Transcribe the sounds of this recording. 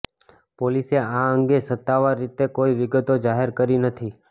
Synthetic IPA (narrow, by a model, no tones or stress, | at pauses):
poliseaəŋɡesət̪ːaʋaɾːit̪ekoiʋɪɡət̪od͡ʒaɦeɾkəɾinət̪ʰi